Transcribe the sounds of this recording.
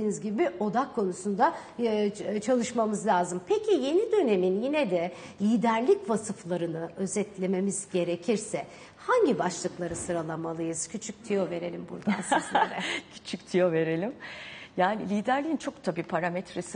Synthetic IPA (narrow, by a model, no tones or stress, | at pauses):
iːnizɟibio̞d̪akʰːo̞nusund̪a | t͡ʃʰalˠɯʃmamɯzlʲaːzɯmpʰecʰije̞nid̪ø̞ne̞minjinɛd̪ɛ | lʲiːd̪æɾlʲicvasɯflˠaɾɯnɯø̞zɛt̪lʲe̞me̞miz̥ɟe̞ɾe̞cʰiɾsɛ | haɲɟibaʃlˠɯklˠaɾɯsɯɾalˠamalˠɯjɯz̥cʰyt͡ʃʰyc̚t̪ʰijo̞ve̞ɾe̞lʲimbṵɾd̪a̰nsɾɛcʰy̥t͡ʃʰyct̪ʰijove̞ɾe̞lʲimjaːnilʲiːd̪æɾlʲijint͡ʃʰo̞k̚t̪ʰabiːpʰaɾamɛt̪ɾes